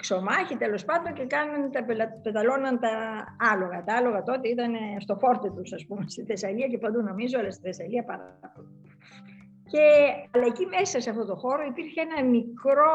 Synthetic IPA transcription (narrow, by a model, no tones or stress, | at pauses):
kso̞mɐçit̪e̞lo̞spɐnd̪oɲce̞kɐnɐnt̪ɐpelɐpet̪ɐlo̞nɐnt̪ɐɐlo̞ɣɐt̪ɐɐlo̞ɣɐt̪o̞t̪iit̪ɐnest̪o̞fo̞ɾt̪e̞t̪usɐspume̞st̪iθe̞sɐliɐce̞pɐd̪uno̞mizoolɐst̪iθesɐliɐpɐɾpol | ce̞ɐlɐecime̞sɐse̞ɐft̪o̞t̪o̞xo̞ɾo̞ipiɾçeenɐmikɾo̞